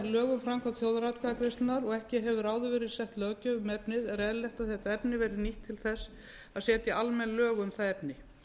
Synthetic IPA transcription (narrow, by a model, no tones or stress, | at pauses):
lœːɣʏmfɾamkʰat̪θjoːwðɾat̪kʰaðakɾɪst̪naɾɔɣɛhcɪɦɛvʏɾaːwðʏvɛːɾɪðsɛht̪lœːcʏʏmɛpnɪðɛɾɛːðlɛht̪aðθɛht̪aɛpnɪvɛːɾɪniht̪ʰːɪlθɛsː | aðsɛːt̪ɪalmɛnlœːɣʏmθaðɛpnɪ